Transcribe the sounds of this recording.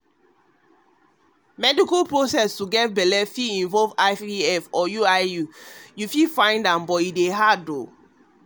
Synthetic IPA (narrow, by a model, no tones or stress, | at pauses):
mɛdikalpɹosɛstuɡɛt̚bɛlɛfiĩnvɔlvaɪfiɛfɔjuaɪjujufifãɪ̃ndãmbɔideɦado